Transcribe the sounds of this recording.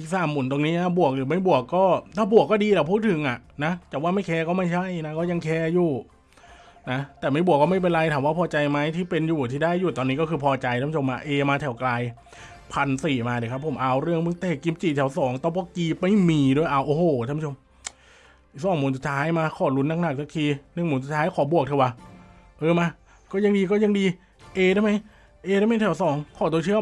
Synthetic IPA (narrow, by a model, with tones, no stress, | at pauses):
i˨˩saː˧˩mːu˨˩˦nt̪o˧ŋniː˦˥a˧˩bu˨˩ək̚lɯː˨˦ma˥˩jbu˨˩əkːɔː˥˩t̪ʰaː˥˩bu˨˩əkːɔː˥˩diː˧lɛː˨˩pʰuː˥˩t̪ʰɯ˨˩˦ŋʔa˨˩na˦˥t͡ɕaː˨˩waː˧˥˩ma˥˩jkʰɛː˧kɔː˥˩ma˥˩jt͡ɕʰa˥˩jna˧˦˥kɔː˥˩ja˧ŋkʰɛː˧juː˨˩ | na˦˥t̪ɛː˨˩ma˥˩jbu˨˩əkːɔː˥˩ma˥˩jpe˧nɾa˧jtʰaː˨˦mwaː˥˩pʰɔː˧t͡ɕa˧jma˦˥jt̪ʰiː˥˩pe˧njuː˨˩t̪ʰiː˥˩daː˥˩jːuː˨˩t̪ɔː˧nːiː˦˥kɔː˥˩kʰɯː˧pʰɔː˧t͡ɕa˧jt̪ʰaː˧˥˩pʰt͡ɕʰmːaː˧˥ʔeː˧maː˧t̪ʰɛ˨˩wklaː˧j | pʰa˧nsiː˨˩maː˧iː˧˩kʰa˦˥pʰːo˩˦mʔaː˧wɾɯ˥˩əŋmɯ˧˦ŋt̪eː˧˩ki˧mt͡ɕiː˨˩t̪ʰɛː˨˩˦wsɔː˩˦ŋt̪ɔː˧˩pɔː˧˩kiː˧pa˧˥˩jmiː˧du˧˥˩əjʔaː˧wʔoː˧˩hoː˧˩a˧˥pʰːo˧m˧˩ | sɔː˥˩ŋmuː˨˩˦nsu˨˧t̪ʰaː˦˥jmaː˧kʰɔː˨˩lu˧˦˥nːa˧˩k̚na˧˩k̚sʰa˧kʰiː˧nɯ˧˩ŋmuː˨˦nsu˨˩t̪ʰaː˦˥jkʰɔː˨˩bu˨˩ək̚t̪ʰi˧waː˧ | ʔɤː˧maː˧ | kɔː˥˩ja˧ŋdiː˧kɔː˥˩ja˧ŋdiː˧ | ʔeː˧dɾaː˥˩jma˦˥j | ʔeː˧a˥˩ma˥jt̪ʰɛ˨˩wsɔː˩˦ŋkʰɔː˧˩t̪̬u˧t͡ɕʰɯ˥˩ə